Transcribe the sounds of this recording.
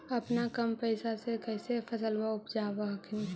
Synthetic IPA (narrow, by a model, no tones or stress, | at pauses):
ɐpnakəmpəɪsasekɛɪsepʰəsəlbaʊpd͡ʒaːbakʰɪn